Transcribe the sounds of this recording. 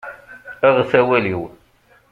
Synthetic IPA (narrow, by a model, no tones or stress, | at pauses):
aʁθæwæliw